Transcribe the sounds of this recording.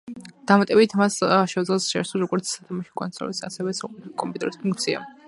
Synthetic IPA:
d̪̥amat̪ʼɛbit̪ʰmasʃɛd̪zlɛsʃɛ̰ɾsuɾɔɡɔɾt̪sʰsat̪ʰamaʃi̥kʼɔ̰nsʰɾɔ̰lisa̰sɛvɛsaqʼɛt̪ʰkʼɔmpʼut̪ʼɛɾispʰuŋk̚ʰt̪sʰia̰

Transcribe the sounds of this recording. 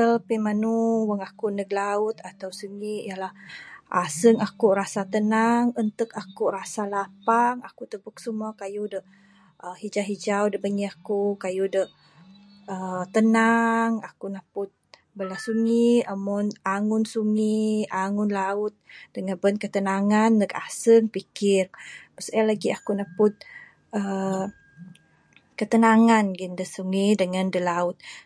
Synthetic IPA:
əpimanuwəŋakuʔnəɡlaʊt̪at̪awsuŋiʔjalahʔa̰səŋakuʔɾasat̪ənaŋənt̪əkakuʔrasalapaŋakuʔt̪əbək̚sumuakajudə | əhid͡ʒaɦid͡ʒawdəbəŋiakukajudəh | ət̪ənaŋakunapʊt̪̚ | bəlasuŋiəmɔnaŋʊnsuŋiaŋʊnlaʊt̪̚dəŋanbənkət̪ənaŋandəkasəŋpikɪrpəsəlaɡiakunapʊt̪̚ | ə | kət̪ənaŋanɡindəsuŋidəŋandəlaʊt̪̚

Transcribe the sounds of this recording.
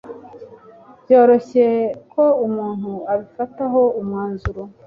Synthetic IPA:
bjo̞ːɾo̞çe̞ko̞umuːn̥huaβifataɦo̞umŋaːnzuɾo

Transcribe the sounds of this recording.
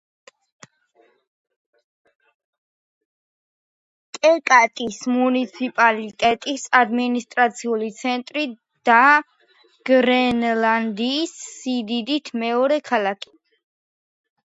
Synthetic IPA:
kʼɛkʼat̪ʼismunit̪sʰipʼalit̪ʼɛt̪ʼisad̪minist̪ʼɾat̪sʰiulit̪sʰɛnt̪ʼɾi | d̪̥a | ɡ̥ɾɛnland̪iːsːid̪id̪it̪ʰmɛɔɾɛkʰalakʰi̥

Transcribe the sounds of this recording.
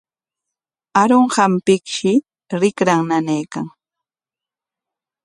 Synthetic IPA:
aɾoɴhampɪkʃɪ | ɾɪkɾaŋnanajkaŋ

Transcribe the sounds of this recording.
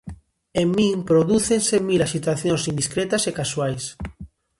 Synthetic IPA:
emːĩŋpɾoðuθensemilaʃit̪waθjonsind̪iskɾet̪asekaswajs

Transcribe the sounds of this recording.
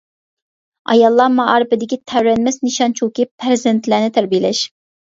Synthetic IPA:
ɑ̰jɑlˠːɑmɑɑːɾɪpɪd̪ɪkʲit̪ʰɛɾɾɛnmɛsniʃɑnt͡ʃʰukʲipʰɾɪzɛnt̪ʰlæːnɪt̪ʰæɾbijlɛʃ

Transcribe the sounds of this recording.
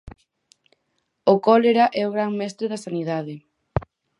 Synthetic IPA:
okɔleɾaʔɛoɣɾaŋmɛst̪ɾeðasaniðaðɪ

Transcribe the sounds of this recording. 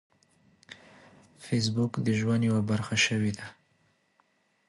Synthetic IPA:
fes̬bʊkd̪əʒwand̪jewabaɾxaʃəwid̪a

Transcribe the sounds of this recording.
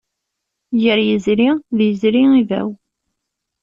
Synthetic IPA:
jəɾjəzɾiðjəzɾiivæ̰w

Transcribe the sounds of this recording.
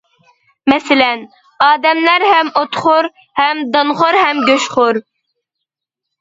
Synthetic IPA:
mɛsɪlɛn | ɑːd̪ɛmlæɾhɛmot̪χʊɾ | hɛmd̪ɑnʁoɾhɛmɡʲøʃχʊɾ

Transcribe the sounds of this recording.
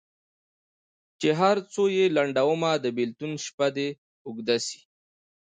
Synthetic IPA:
t͡ʃeɦaɾt͡sojelaɳɖawəmad̪əbɪlt̪unʃpad̪e | ʊɡd̪asi̥

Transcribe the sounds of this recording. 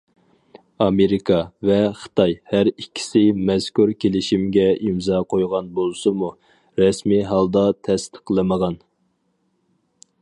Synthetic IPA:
ɑmeɾikʰɑvɛχə̥t̪ʰɑjhæɾikʲʰːi̥sɪmɛzkʲuɾkʲʰelɪʃimɡʲɛimzɑqʰojʁɑnbolˠsɨmu | ɾɛsmiɦɑlˠd̪ɑt̪ʰɛst̪ʰə̥qlˠɨməʁɑn

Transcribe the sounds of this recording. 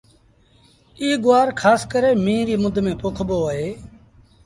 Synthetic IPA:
iːɡʊaːɾkʰaːskəɾeːmĩːɾiːmʊd̪ʱmẽːpokʰɓoːəɦeː

